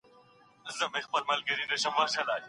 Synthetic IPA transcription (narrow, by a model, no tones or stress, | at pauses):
zɐmexpɐlmɐlɡɐɾĩnɐɕɐmaːɕalaː